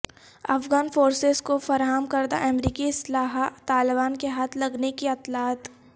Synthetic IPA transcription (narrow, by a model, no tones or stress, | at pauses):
ɐfɡaːnfoːɾsezkofɐɾaːɦəmkɐɾd̪a̰ʔɛmɾiːkiɪslaːɦt̪aːlɪbaːnkeɦaːt̪ʰlɐɡnekiɐt̪laːt̪